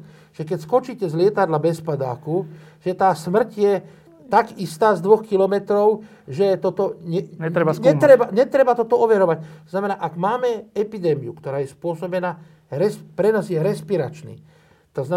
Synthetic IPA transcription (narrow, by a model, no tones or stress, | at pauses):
ʒ̥ɛkɛcskɔt͡ʃiːcɛzlɪɛt̪ad̪labɛspad̪a̰ːkuʒ̥ɛt̪aːsmr̩cjɛ | t̪aɡist̪aːzd̪ʋɔxkilɔmɛt̪ɾɔʊ | ʒɛt̪ɔt̪ɔɲɛɲɛɾɛaɛt̪ɾɛbaɲɛt̪ɾɛbat̪ɔt̪ɔɔʋɛɾɔʋactt̪ɔznamɛnaːʔaɡmaːmɛɛpid̪ɛːmiukt̪ɔɾaːjɛspʊɔsɔbɛnaː | ɾɛspɾɛnaːzjɛɾɛspiɾat͡ʃnḭː | t̪azna